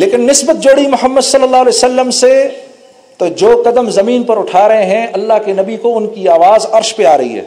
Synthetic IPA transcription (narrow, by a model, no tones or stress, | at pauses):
leːkɪnːɪsbət̪̚d͡ʒoːɽimʊɦəmːəd̪sɐlːəlːaːɦolesəlːəmse | t̪od͡ʒoːkɐd̪əmzɐmiːnpɐɾʊʈʰaːɾɐɦeɦɛ̃ʔɐlːaɦkenɐbikoʊnkiaːʋaːzɐɾʃpeaːɾɐɦḭɦɛ̰ː